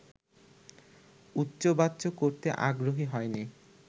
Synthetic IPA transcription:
utːɕobat̪ːɕokoɾt̪eʔa̰ɡɾoɦiɦɔeni

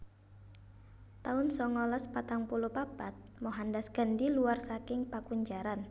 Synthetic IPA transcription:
t̪aʊnsɔŋɔlaspat̪aŋpulupabat̪̚moɦandasɡ̥əndiluwarsakɪŋpakuɲd͡ʒaɾan

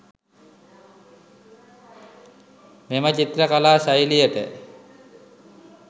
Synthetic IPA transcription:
memət͡ɕit̪ɾəkalaːɕajlijəʈə̰

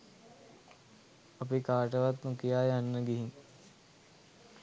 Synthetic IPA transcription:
ɐpikaːʈəʋat̪nukijaːjanːəɡiɦiŋ

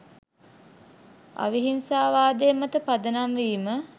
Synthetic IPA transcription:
a̰ʋiɦinsaːʋaːd̪emɐt̪əpad̪ənamʋiːmə

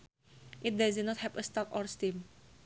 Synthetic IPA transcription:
ʔit̚daznɔthɛvəstɔkɔɹstim

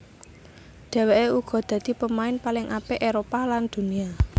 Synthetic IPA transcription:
d̪̥ɛ̤weʔeuɡ̥ɔ̤d̪̥ä̤d̪̥i̤pəmaɪnpalɪŋʔapeʔeɾopaland̪̥ṳnia

